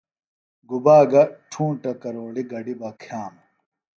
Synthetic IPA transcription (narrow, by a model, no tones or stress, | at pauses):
ɡubaːɡɐʈʰuːʈɐkɐɾoːɽiɡɐɖibɐkʰaːm